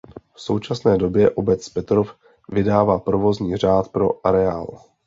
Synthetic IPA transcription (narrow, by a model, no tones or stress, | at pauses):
fso̞wt͡ʃasnɛːdo̞bjɛʔo̞bɛt͡spɛt̪ɾof | vɪdaːvaːpɾovo̞zɲiːr̝aːt̪pɾo̞ʔaɾɛaːl